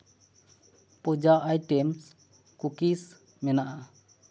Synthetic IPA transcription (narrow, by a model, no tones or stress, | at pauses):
pɔd͡ʒaʔajʈɛms | kukis | mɛnaʔa